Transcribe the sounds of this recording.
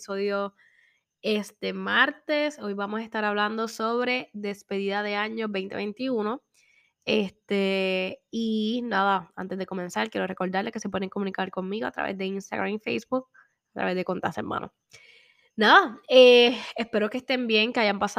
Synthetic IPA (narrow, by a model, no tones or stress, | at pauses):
soðjo | e̞st̪e̞maɾt̪eso̞jβamo̞saest̪aɾaβland̪o̞so̞βɾe̞ðe̞spe̞ðiðaðe̞aɲo̞ɦbe̞jnt̪e̞βe̞jnt̪iuno̞ | est̪e | inaðaant̪e̞zðe̞ko̞mẽ̞nsaɾkje̞ɾo̞re̞ko̞ɾd̪aɾleke̞se̞p̬we̞ðeeŋkomũnikaɾko̞ŋmiɣo̞a̰t̪ɾa̰βḛzd̪e̞inst̪a̰ɣɾamifejsbuk̚ | at̪ɾa̰βe̞zðe̞ko̞nt̪a̰sḛmã̰no̰ | naðaeespe̞ɾo̞kest̪e̞mbje̞ŋkeajampasa